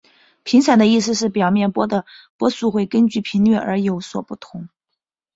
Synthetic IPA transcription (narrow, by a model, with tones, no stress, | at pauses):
pʰi˧˥ŋt͡sʰa˨˩d̪ə˦i˥˩s̬ɹ̩˧ʂɻ̩˥˩pjɑ˨˩ʊmjɛ˥˩npwɔ˥d̪ə˨pwɔ˥su˥˧xwe˥˩ɪkə˥nt͡ɕy˥˩pʰi˧˥nlɥɛ˥˩ə˞˧˥jo˧˥ʊswɔ˨˩pu˥˩t̪ʰʊ˧˥ŋ